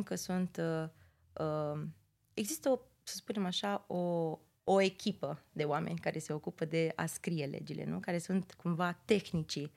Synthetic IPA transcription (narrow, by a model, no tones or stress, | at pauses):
ŋkəsunt̪ə | ə | eɡzist̪əo | səspune̞maʃaoː | e̞kʲʰipəd̪e̞owame̞̰nʲkaɾe̞se̞o̞kupəd̪e̞a̰skɾije̞lʔḛd͡ʒilʔḛnukaɾe̞sunt̪kumvat̪e̞xnit͡ʃi